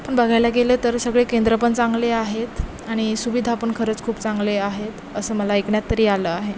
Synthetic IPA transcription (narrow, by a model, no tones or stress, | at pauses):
pəɳbəɡʱajlaɡelət̪əɾsəɡɭekend̪ɾəpəɳt͡sãŋɡleaɦet̪ | aɽ̃isuʋid̪ʱapəɳkʰəɾəːt͡skʰuːpt͡saŋɡleaɦet̪ | əsəːməlaekɳjat̪ːəɾiːaləaɦe